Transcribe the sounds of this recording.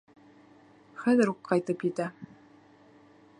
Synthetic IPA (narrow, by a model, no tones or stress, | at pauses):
χæðɘɾuqqːɑjt̪ɤpjɘt̪æ